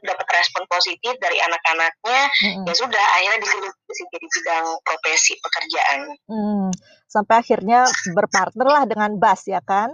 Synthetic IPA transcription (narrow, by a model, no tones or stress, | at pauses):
dapat̪rɛspɔnposit̪ɪfdaɾianakanak̚ɲam̩m̩jasudaha̰iradisibut̪iəsɪd͡ʒadisidaŋpɾofɛsipəkərd͡ʒaʔan̩ | sampajaxirɲabərpart̪̚nərlahdəŋanbasjakan